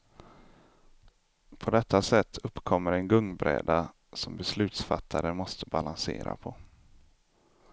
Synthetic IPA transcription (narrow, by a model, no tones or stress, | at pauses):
pʰɔd̪ɛt̪ʰːasɛt̪ʰːɵpːkʰɔmːəɾɛnɡɵŋbɾɛ̰ːd̪a | sɔmbɛslʉ̟ːt̪sfa̰t̪ʰːaɾəmɔst̪əbalansḛːɾa̰pʰɔ